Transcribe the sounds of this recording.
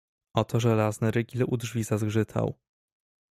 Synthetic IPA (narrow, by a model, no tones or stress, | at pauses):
ɔt̪ɔʐɛlaznɘɾɘɡʲilud̪ʐvʲizazɡʐɘt̪ʰa̰w